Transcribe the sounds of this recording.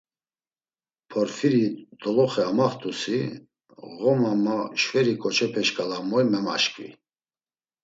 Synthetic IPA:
pʰɔɾfiɾid̪̥ɔlɔχɛamaχt̪ʼusi | ɣɔmamaʃvɛɾikʼɔt͡ʃʰɛpʰɛʃkʼalamɔjmɛma̰ʃkʼḭ

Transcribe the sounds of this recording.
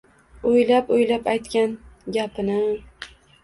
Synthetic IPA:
ʊjlapʊjlapajt̪kʲanɡʲapʰɪnɪ

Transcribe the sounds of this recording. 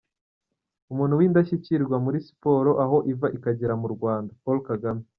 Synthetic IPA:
umuːn̤̥uwiːndaʃiciɾɡwamuɾisi̥po̞ːɾo̞ʔaɦo̞ʔivaʔikaɟeɾamuɾɡwaːndapolkaɡame

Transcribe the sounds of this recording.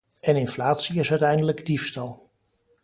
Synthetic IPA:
ɛnɪnflaːtsiɪsœɥtɛjndələɡdifstɑlˠ

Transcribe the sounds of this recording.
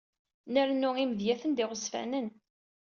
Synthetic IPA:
nəɾnːʊiməðjæθənd̪ɪʁəsfæ̰nən

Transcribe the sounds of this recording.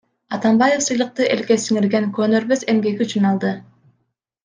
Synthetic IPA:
ɑt̪ɑmbaje̞fsɯjlˠɯq̚t̪ɯʔe̞lke̞siŋiɾɡe̞ŋkøːnø̞ɾbøze̞mɡe̞ɡiyt͡ʃynɑlˠd̪ɯ

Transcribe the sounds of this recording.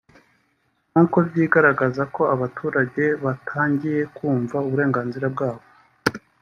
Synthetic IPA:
nuko̞bjiːɡaɾaɡazako̞aβatʰuːɾaɟe̞βatʰaːɲɟije̞kuːɱvauβuɾe̞ːŋɡaːnziɾab̚ɡaːβo̞

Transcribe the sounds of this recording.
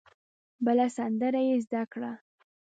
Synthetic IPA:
bəlasand̪əɾajezd̪akɽa

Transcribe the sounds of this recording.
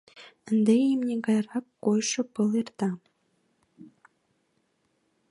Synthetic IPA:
ə̆nd̪ejimnʲeɡɑjrɑkːojʂɤ̆pɤlˠert̪ɑ

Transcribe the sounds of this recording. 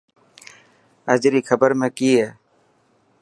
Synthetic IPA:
əd͡ʒɾiːkʰəbəɾmẽːkiːɦɛː

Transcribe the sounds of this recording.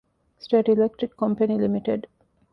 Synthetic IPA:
sʈeːʈilek̚ʈɾikːɔ̃mpənilimiʈeɖ

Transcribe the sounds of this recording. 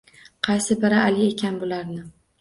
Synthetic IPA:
qʰɑjsɪbɪɾaːlɪe̞kʲʰanbʊlaɾnɪ

